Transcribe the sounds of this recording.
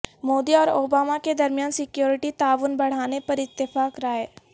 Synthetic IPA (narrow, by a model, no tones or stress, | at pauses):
moːd̪iɔːɾoːbaːmaked̪ɐɾmjaːnsɪkjoːɾɪʈit̪aːʋʊnbɐɽ̤aːnepɐɾɪt̪ːɪfaːkɾaɦeː